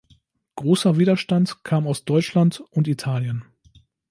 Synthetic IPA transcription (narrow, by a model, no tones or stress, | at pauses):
ɡ̥ʁoːsɐviːdɐʃtantkʰaːmaʊsd̥ɔʏt͡ʃlantʔʊntitʰaːljən